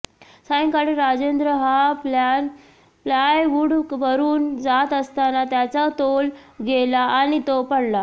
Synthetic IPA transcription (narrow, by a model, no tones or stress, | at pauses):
sãŋkaɽiɾad͡zend̪ɾəɦaplan | plajʋuɽʋəɾuːnd͡zat̪əst̪anat̪jat͡sat̪olɡʱelaañit̪opəɽla